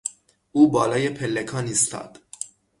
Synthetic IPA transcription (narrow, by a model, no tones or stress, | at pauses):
uːbɒːlɒːje̞pʰelːekʰɒːniːst̪ʰɒ̰ːd̪̥